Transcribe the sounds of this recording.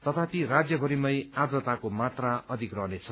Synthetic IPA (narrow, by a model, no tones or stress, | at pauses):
t̪ʌt̪ʰapirad͡zjʌbʱʌɾimʌjad̪rʌt̪akomat̪raʌd̪ʱikrʌɦnet͡sʰʌ